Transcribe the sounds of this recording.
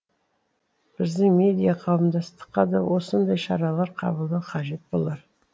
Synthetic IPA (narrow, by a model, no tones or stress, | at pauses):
b̥ɪzd̪ɪŋmʲe̞d̪ijaqʰɑwəmd̪ɑst̪ə̥qːɑd̪ɑwʔo̞sənd̪ɑjʃɑɾɑlˠɑɾqʰɑ̰bəlˠd̪ɑqʰɑʒe̞t̪̚bo̞̰lˠɑɾ